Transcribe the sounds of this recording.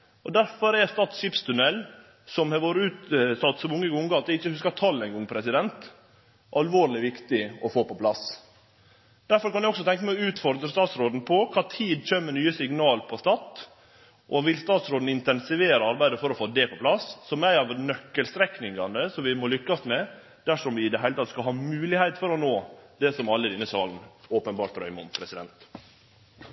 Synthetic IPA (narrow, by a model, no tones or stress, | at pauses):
ʔɔd̪æɾfɔɾæst̪ɑːt̪sɕɪːpst̪ʰʉnɛlː | sɔmhɑɾʋoːɾəʉːt̪sɑt̪ːsɔmʊŋːəɡʊŋɡɑɑt̪ʋ̪ɛɪçːəhʉskɑt̪ʰɑlːɛɪŋɡɔŋːpʰɾɛsɪd̪ɛnt̪ | ʔɑlʋoːɾlɪʋɪkt̪ɪɔfoːpɔpʰlɑs | d̪̥æɾfɔɾkʰɑnæɪɔksɔt̪ʰɛŋkəmɛɔʉːt̪fɔɾd̪ɾəst̪ɑːt̪sɾoːd̪n̩pʰɔkʰɑːt̪ʰiːd̪t͡ʃøːmənyːəsɪŋnɑːlpʰɔst̪ɑt̪ | ʔɔʋɪlst̪ɑːt̪sɾoːd̪n̩ɪnt̪ɛnsɪʋeːɾəɑɾbæɪd̪əfɔɾɔfoːd̪ɛpʰɔpʰlɑsːɔmæɪɑʋnœkːəlst̪ɾɛknɪŋɡɑnd̪əsɔmʋɪmɔlʏkːɑsmɛ | d̪̥æʂɔmʋɪɪd̪ɛɦæɪət̪ʰɑt̪skɑlɦɑːmʉːlɪhæɪt̪fɔɾɔnoːd̪ɛsɔmɑlːəd̪ɪnːəsɑːln̩oːpənbɑːɾʈt̪ɾœ̰ʏmʊmpʰɾɛsɪd̪ɛ̰nt̪